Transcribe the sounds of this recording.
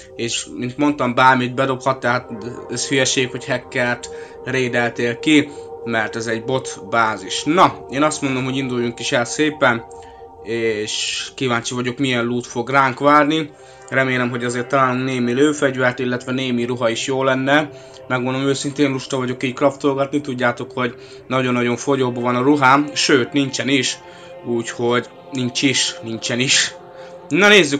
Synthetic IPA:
eːʃmint̪mo̞nt̪ɒmbaːrmid̪̚bɛd̪o̞phɒt̪ːɛɦat̪ɛsfyjɛʃeːkho̞chɛkːɛrt̪ | reːd̪ɛlt̪eːlkimɛrt̪ɛzɛɟbo̞t̪baːziʃnɒeːnɒst̪mo̞nd̪o̞mɦo̞ɟind̪ujːuŋkiʃɛlseːpɛn | eːʃkivaːɲt͡ʃivɒɟo̞kmijɛnluːt̪fo̞ɡraːŋkʋaːrni | rɛmeːlɛmɦo̞ɟɒzeːrt̪ːɒlaːloŋkneːmiløːfɛɟvɛrt̪ilːɛt̪ʋɛneːmiɾuɦɒiʃjoːlːɛnːɛ | mɛɡʋonomøːsint̪eːnruʃt̪ɒvɒɟo̞kiːckɒft̪olɡɒt̪nit̪uɟːaːt̪o̞kho̞ɟ | nɒɟo̞nːɒɟo̞ɱfo̞ɟoːbovɒnɒɾuɦaːmʃøːt̪nint͡ʃɛniʃ | uːcho̞ɟ | nint͡ʃiʃnint͡ʃɛniʃ | nɔneːzːy

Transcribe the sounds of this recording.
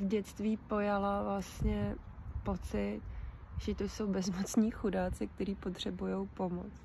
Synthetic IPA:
vɟɛt͡st̪viːpo̞jalavlast̪ɲɛpo̞t͡sɪt̪ʒ̥ɛt̪oso̞wbɛzmot͡sɲiːxudaːt͡sɪk̚t̪ɛɾiːpo̞t̪r̝̥ɛbujo̞wpo̞mo̰t͡s

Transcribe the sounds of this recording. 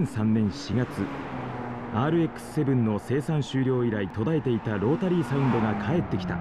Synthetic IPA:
sãnːẽ̞ɰ̃ɕiɡat͡sɨ | aːɾɯ̟e̞kːɯ̥sɨ̥se̞bɯ̟̃nːo̞se̞ːsãɰ̃ɕɨːɾʲo̞ːiɾait̪o̞d̪ae̞t̪e̞it̪aɾo̞ːt̪aɾʲiːsaɯ̟̃nd̪o̞ɡakʰae̞t̪ːe̞kʲi̥t̪a̰

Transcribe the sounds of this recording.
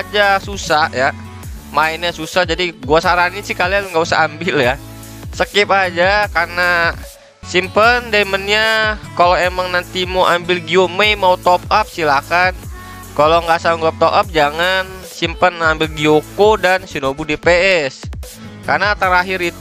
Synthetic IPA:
d͡ʒasusaja | mainɲasusahd͡ʒadiɡuasaɾanisɪhkalianŋɡausa̰ambɪlja | səkiip̚ad͡ʒakarna | simpəndamənɲakaloemaŋnant̪imoʔambɪlɡioməjmaut̪ɔpap̚silakan | kaloŋɡasaŋɡəlap̚t̪oʔap̚d͡ʒaŋan | simpənambɪlɡiokodansinobudepeɛs | karnat̪əɾaɦɪɾit̪

